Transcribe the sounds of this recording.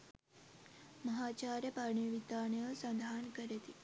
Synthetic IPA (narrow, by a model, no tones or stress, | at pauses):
məɦat͡ɕaɾjəpaɳ̃iʋit̪aɳjəsənd̪ʱaːnkəɾet̪i